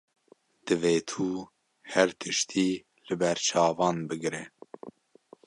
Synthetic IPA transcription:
d̪̥ɨveːt̪ʰuː | hɛɾt̪ʰɨʃt̪ʰiː | lɨbɛɾt͡ʃʰɑːvɑːnbɨɡɾɛ

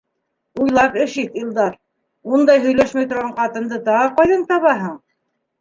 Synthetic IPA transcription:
ujlˠɑpɘ̆ʃit̪ilˠd̪ɑɾ | und̪ɑjɦɵ̆jlæʃmæjt̪ŏɾʁɑɴqɑt̪ɤ̆nd̪ɤt̪ɑʁɤqɑjðɤnt̪ɑβɑɦɤɴ

